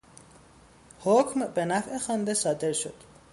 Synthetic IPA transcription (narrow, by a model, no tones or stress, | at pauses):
hocʰmbe̞næfe̞xɒːnd̪esɒːd̪e̞ɾʃo̞̰d̪̥